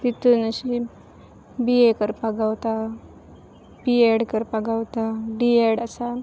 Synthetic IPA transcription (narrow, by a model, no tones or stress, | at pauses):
t̪it̪unəɕi | biekəɾpaɡawt̪a | pieɽkəɾpaɡawt̪aɖieɽasa